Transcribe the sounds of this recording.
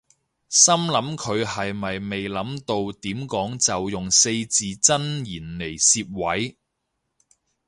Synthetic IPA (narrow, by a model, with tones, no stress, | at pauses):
sɐ˥mlɐ˨˥mkʰɵ˨˧ɥhɐ˨jmɐ˨jme˨jlɐ˨˥mt̪o˧wt̪iː˨˥mkɔː˨˥ŋt͡sɐ˨wjʊ˨ŋse˧jt͡siː˨t͡sɐ˥njiː˨˩nle˨˩jsiː˧p̚wɐ˨˥j